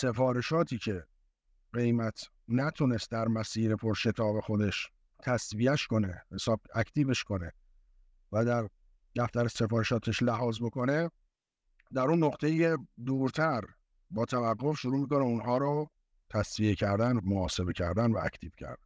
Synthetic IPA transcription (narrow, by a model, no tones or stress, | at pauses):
se̞fɒːɾe̞ʃɒːt̪ʰiːcʰe̞ | ɢe̞jmæt̪ʰ | næt̪ʰune̞st̪̚d̪æɾmæsiːɾepʰo̞ɾʃe̞t̪ʰɒːbe̞xo̞d̪e̞ʃ | t̪ʰæsviæʃko̞ne̞hesɒːb̥̚æcʰt̪ʰiːbe̞ʃko̞ne | væd̪æɾ | d̪̥æft̪æɾæse̞fɒːɾeʃɒːt̪ʰeʃlæɦɒːzbo̞ko̞ne̞ | d̪æɾunːo̞qt̪ʰe̞iced̪uːɾt̪ʰæɾ | bɒːt̪ʰævæɡːo̞fʃoɾuːmiːkoneunhɒːɾɔː | t̪ʰæsviecʰæɾd̪ænmoɒːse̞be̞cʰæɾd̪ænvæʔæ̰ct̪ʰiːb̥cʰæ̰ɾd̪ænn